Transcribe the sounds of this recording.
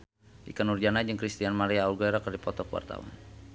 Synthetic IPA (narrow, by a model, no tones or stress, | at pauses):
dḭkanurd͡ʒanad͡ʒəŋkɾist̪ianmaɾiaulɡoɛɾakərdipɔt̪ɔkwa̰rt̪a̰wa̰n